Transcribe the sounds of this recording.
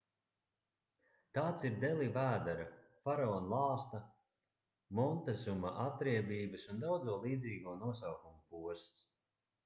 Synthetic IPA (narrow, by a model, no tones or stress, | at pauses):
t̪aːt̪siɾd̪ɛlˠivæːd̪aɾa | faɾɔːnlˠɑːst̪a | mɔnt̪azumaʔat̪ɾiɛbiːbɨsund̪awd̪zuɔlˠiːd̪ziːɡuɔnuɔsawkumupuɔst̪s